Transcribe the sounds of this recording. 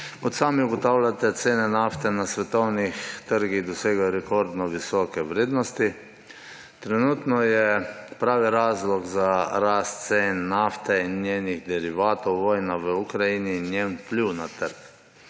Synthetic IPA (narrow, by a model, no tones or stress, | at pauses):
kɔt̪saːmiuɡɔt̪aːwlʲat̪ɛt̪seːnɛnaft̪ɛnasʋɛt̪ɔwnixt̪əɾɡiɣd̪ɔseːɡajɔɾɛkɔɾd̪nɔʋisɔːkɛʋɾeːd̪nɔst̪i | t̪ɾɛnuːt̪nɔjɛpɾaːʋiɾaːzlɔɡzaɾast̪seːnːaft̪ɛinːjeːniɣd̪ɛɾiʋaːt̪ɔwʋɔːjnaʋəukɾajininːjenpliwnat̪əɾk